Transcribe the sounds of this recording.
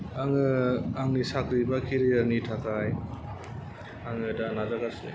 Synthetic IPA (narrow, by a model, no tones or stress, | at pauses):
aŋɯaŋnisakɾibakʰiɾijaɾnitʰakaj | aŋɯdanazaɡase